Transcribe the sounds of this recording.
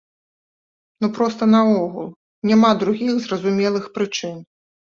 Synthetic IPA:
nupɾɔst̪ɐnɐɔɣṵlˠ | nʲamad̪ɾuɣʲiɣzrɐzumʲɛlˠɨxpɾɨt͡ʂɨn

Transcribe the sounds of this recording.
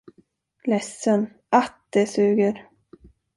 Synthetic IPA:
lɛsːən | ʔat̪̚d̪ɛsʉ̟ːɡəɾ

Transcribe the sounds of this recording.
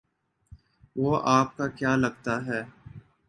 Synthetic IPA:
ʋoːʔaːp̚kakjaːlɐɡt̪aɦɛː

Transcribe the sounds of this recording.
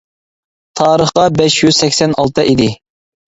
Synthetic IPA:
t̪ʰɑːɾəχqɑbɛʃjyz̥sɛkʲsɛnɑlˠt̪ʰɨʔid̪ɪ

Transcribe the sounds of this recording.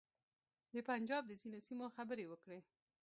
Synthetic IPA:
d̪əpand͡ʒɑb̚d̪əzinosimoxabəɾewəkɽe

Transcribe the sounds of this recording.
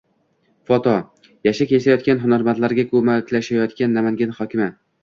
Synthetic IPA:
fɒt̪ʰɒ | jaʃakʲʰesajɒt̪̚kʲanɦʊnaɾmant̪laɾɡʲakʰɵmakʲlaʃajɒt̪kʲanːamaŋɡʲanhɒkʲʰɪmɪ

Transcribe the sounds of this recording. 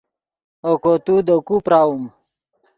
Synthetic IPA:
okot̪ud̪əkupɾaːwum

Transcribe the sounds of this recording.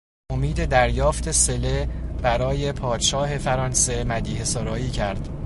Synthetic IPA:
ʔo̞miːd̪e̞d̪æɾjɒːft̪ʰe̞se̞leb̥æɾɒːje̞pʰɒːd̪̥ʃɒːɦe̞fæɾɒnse̞mæd̪iːhesɒɾɒːiːcʰæɾd̪̥

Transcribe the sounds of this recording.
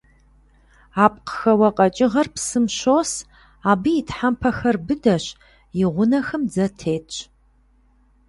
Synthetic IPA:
aːp̚ʼqə̥xɐwɐqʼɐt͡ʃʼɪʁɐrpsɨmɕoːs | aːbɨjitħampʰɐxɐrbɨdɐɕ | jɪʁʷʊnɐxɐmd͡zɐtʰeːtʰʼ

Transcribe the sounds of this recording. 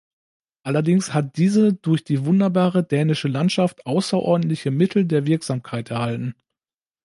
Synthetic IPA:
ʔalɐdɪŋshat̚d̥iːzəd̥ʊɐçd̥iːvʊndɐbaːʁədɛːnɪʃəlantʃaftʔaʊsɐʔɔ̰ɐdn̩tlɪçəmɪtʰl̩deːɐvɪɐkz̥aːmkʰaɪtɛɐhaltn̩

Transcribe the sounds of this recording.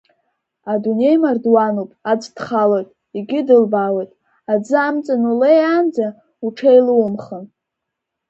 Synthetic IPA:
adune̞jmardwanopʼad͡zd̥χalojtʼ | iɡʲɪdɨlbawejtʼ | ad͡zɨamt͡sʼɨnulejand͡za | uʈ͡ʂʰejluwʊmχən

